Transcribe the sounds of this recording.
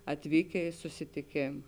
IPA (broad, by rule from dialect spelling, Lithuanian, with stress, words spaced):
ɐtʲˈʋʲiːkʲeː ɪ sʊsʲɪtʲɪˈkʲeːm